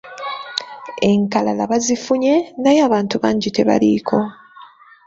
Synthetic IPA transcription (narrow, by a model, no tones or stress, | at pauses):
e̞ŋkalalaβazifuɲe̞najaːβaːntuβaːɲɟite̞βa̰likʰo̞